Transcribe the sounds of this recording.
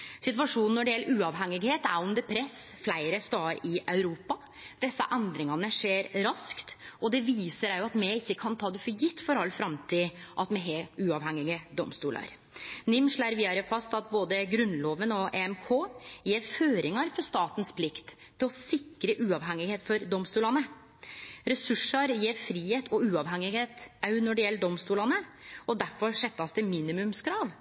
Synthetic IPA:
sɪt̪ʋɑʂuːnn̩ːɔɖɪjɛlːəɾʉːɑʋɦɛŋːɪɡheːt̪æɾɔmd̪ɛpʰɾɛsflæɪɾəst̪ɑːɾɪʔɑʉɾuːpɑ | d̪̥ɛsːɑ̰ʔɛnd̪ɾɪŋɑnəʂeːɾɾɑskt̪ɔd̪ɛʋiːsəɾæɾjʊɑt̪mɛɪçːəkʰɑnt̪ʰɑːd̪ɛfɔɾjɪt̪ːfɔɾɑlːfɾɑmt̪ʰɪːʔɑt̪mɛɦɛʉːɑʋhɛŋːɪɡəd̪ɔmst̪uːlæ̰ɾ | nɪmʂɭæɾʋiːɑɾəfɑst̪ɑt̪̚boːd̪əɡɾʉnloːʋənɔʔeɛmkʰoːjeːɾføːɾɪŋɑɾfɔɾʂt̪ɑːt̪ən̩spʰlɪkt̪ʰːɪlɔsɪkɾəʔʉːɑʋɦɛŋɪheːt̪fɔɾd̪ɔmst̪uːlɑnə | ɾɛsʉʂəɾjeːɾfɾiːheːt̪ʰɔʉːɑʋhɛŋɪheːt̪ɑʉnɔɖɛjɛlːəd̪ɔmst̪uːlɑnəɔd̪æɾfɔɾʂɛt̪ːɑst̪əmiːnɪmʉmskʰɾɑːʋ

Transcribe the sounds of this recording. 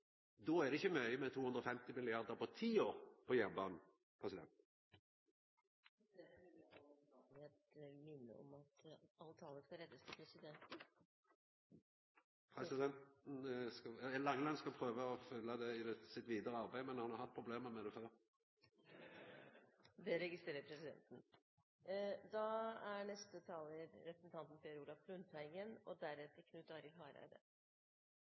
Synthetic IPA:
d̪oːæʁd̪ɛɪçːəmœʏəmɛt̪ʰuːhʉnd̪ʁɔfɛmt̪ɪmɪlɪɑʁd̪əʁpɔt̪ʰiːoːʁpʰɔjæʁbɑːnn̩ | pʰʁɛsɪd̪ɛ̰nt̪ | ɛt̪mɪnːə̰ɔ̰mɑt̪ɑlət̪ʰɑːləskɑɾɛd̪ːəst̪ʰpʰɾɛsɪd̪ɛnt̪n̩ | pʰʁɛsɪd̪ɛnt̪n̩skɑɛlɑŋːəlɑnskɑpʰʁøːʋəɔfʏlːəd̪ɛɪd̪ɛsɪt̪ʋiːd̪əɾəɑʁbæɪmɛnhɑnhɑʁhɑt̪̚pʰɾʊbleːməmɛd̪ɛføːʁ | d̪ɛɾɛɡɪst̪ɾeːɾəɾpʰɾɛsɪd̪ɛ̰nt̪n̩ | d̪ɑæɳɛst̪ət̪ʰɑːləɾɾɛpʰɾəsn̩t̪ʰɑnt̪n̩fɛɾuːlɑflʉnt̪hæɪɡənɔd̪æɾɛt̪əkʰnʉːt̪ɑɾɪlɦɑːɾæ̰ɪd̪ə̰

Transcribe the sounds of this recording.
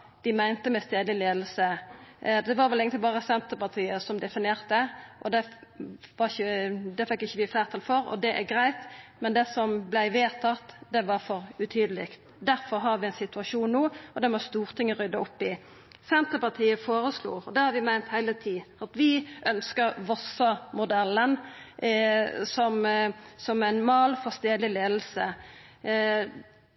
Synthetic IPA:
d̪̥ɪmæɪnt̪əmɛst̪eːd̪lɪleːd̪l̩sə | d̪ɛʋɑːɾʋɛlɪɡəɪbɑːʁəsɛnt̪əpɑʁt̪ʰiːəsɔmd̪ɛfɪnɪeːʁt̪əʔɔd̪ɛ | ʋɑɾɪçəd̪ɛfɛkːɪçːəʋɪfæːʁt̪ʰɑlfɔɾɔ̰d̪ɛʔæɡɾæɪt̪mɛnd̪ɛsɔmblæɪʋeːt̪ʰɑt̪d̪ɛʋɑɾfɔɾʉt̪ʰyːd̪əlɪkt̪ | d̪æʁfɔɾɦɑɾʋɪæɪnsɪt̪ʉɑʂuːnnuːɔd̪ɛmɔst̪uːʁt̪ʰɪŋːəɾʏd̪ɑɔpːɪ | sɛnt̪əpɑt̪ʰiːəfoːɾəslṵːɾɔd̪ɛhɑɾʋɪmæɪnt̪hæɪlət̪ʰiːɑt̪ʋɪʔœnskəɾʋɔsɑmʊd̪ɛlːən | sɔmsɔmæɪnmɑːlfɔst̪eːdlɪleːd̪l̩sə

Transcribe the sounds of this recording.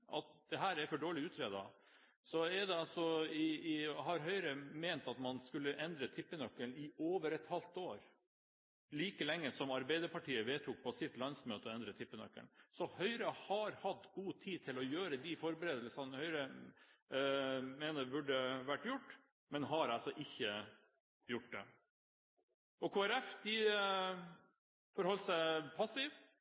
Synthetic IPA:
ʔɑ̰t̪̚d̪ɛɦæːɾɛɾfɔɖoːɭɪʉːt̪ʰɾeːd̪ɑ | sɔɛd̪ɛɑlsɔɪɪɦɑɾɦœʏɾəmeːnt̪ɑt̪mɑnskʉlːəʔɛnd̪ɾət̪ʰɪpːənœkːəɳɪoːʋəɾɛt̪hɑlt̪oːɾ | liːkəlɛŋːəsɔmɑɾbæɪd̪əɾpɑʈiːəʋeːt̪ʰuːk̚pʰɔsɪt̪lɑnsmøːt̪əɔɛnd̪ɾət̪ʰɪpːənœ̰kːə̰ɳsɔhœʏɾəhɑɾhɑt̪ːɡuːt̪ʰiːt̪ʰɪlɔjøːɾəd̪ɪfɔɾbəɾeːd̪əlsɑnhœʏɾə | meːnəɾbʉɖəʋæʈːjʊʈː | mɛnɦɑɾɑlsɔʔɪçːə | jʊʈ̚d̪ɛ̰ | ɔkʰoːæɾɛfd̪̥ɪ | fɔɾhɔlːsæɪpʰɑsɪʋ

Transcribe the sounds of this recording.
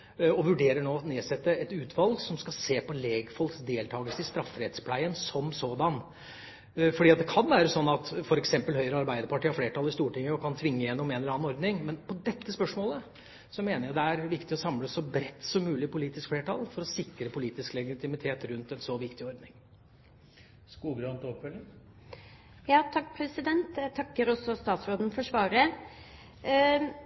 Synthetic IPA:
ɔʋʉɖeːɾəɳoːneːsɛt̪ːəɛt̪ʉːt̪ʰʋɑlɡsɔmskɑseːpɔleːɡfɔlksd̪eːlt̪ʰɑːɡəlsəɪst̪ɾɑfːɾɛd̪spʰlæɪənsɔmsoːd̪ɑn | fɔɖiːɑt̪d̪ɛkʰɑnʋæːɾəsɔnːɑt̪fɔɾɛksɛmpəlhœʏɾəɑɾbæɪd̪əɾpɑʈiːɑfleːʈʰɑlːɪst̪uːʈɪŋːəɔkʰɑnt̪ʰʋɪŋːəjɛnːɔmeːnɛlɑːnɔɾd̪nɪŋmɛnpʰɔd̪ɛt̪ːəspœʂmoːlə | sɔmeːnəjæd̪ɛæɾʋɪkt̪ɪɔsɑmləsɔbɾɛt̪ːsɔmːʉːlɪpʰʊliːt̪ɪskfleːʈɑ̰lfɔɾɔsɪkːɾəpʰʊliːt̪ɪsklɛɡɪt̪ʰɪmɪt̪ʰeːt̪ɾʉnt̪ɛnsɔʋɪkt̪ɪɔɾd̪nɪŋ | skuːɡɾønt̪ɔpfœlːɪŋ | jɑːt̪ʰɑk̚ːpʰɾɛsɪd̪ɛnt̪ɛt̪ʰɑkːəɾɔsɔst̪ɑːt̪sɾoːd̪n̩fɔʂʋɑːɾə

